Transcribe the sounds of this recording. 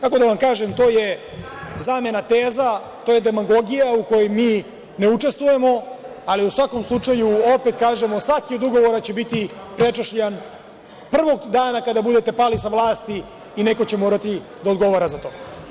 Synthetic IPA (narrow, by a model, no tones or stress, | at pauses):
kako̞d̪aʋamkaːʒe̞mt̪o̞ːje̞ | zaːme̞nat̪eːza | t̪ojed̪e̞maɡo̞ɡijauko̞jojmiː | ne̞ut͡ʃe̞st̪ʋuje̞mo̞ | aliusʋako̞mslˠut͡ʂajuope̞t̪kaːʒe̞mosʋakio̞d̪uɡo̞ʋo̞ɾat͡ɕe̞bit̪ipɾe̞t͡ʃaʃʎan | pr̩ʋo̞ɡd̪aːnakad̪abud̪et̪e̞paːlisaʋlˠaːst̪iː | ne̞ko̞t͡ɕemoːɾat̪i | d̪aod̪ɡo̞ʋoɾazat̪o̞ː